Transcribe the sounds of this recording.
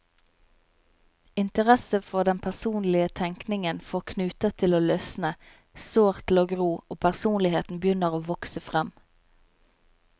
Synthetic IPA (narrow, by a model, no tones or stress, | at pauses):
ɪnt̪əʁɛsəfɔʁd̪ɛnpʰæʁsuːnlɪət̪ʰɛŋknɪŋənfoːʁkʰnʉːt̪ət̪ʰɪloːlœsnə | soːʁt̪ʰloːɡʁuːoːpʰæʁsuːnlɪheːt̪n̩bjʏnəʁoːʋɔksəfʁɛm